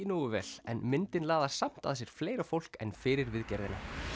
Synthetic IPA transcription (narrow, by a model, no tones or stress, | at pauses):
inuːɣʏvɛ̰l̥ɛ̰nmɪnt̪ɪnlaːðaɾ̥sam̥t̪a̰ðsjɛɾ̥fleːjɾafowl̥kɛ̰nfɪːɾɪɾvɪðcɛɾðɪna